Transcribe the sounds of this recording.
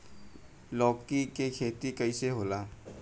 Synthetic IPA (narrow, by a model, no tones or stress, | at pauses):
lɔːkikekʰeːt̪ikəiseɦoːlaː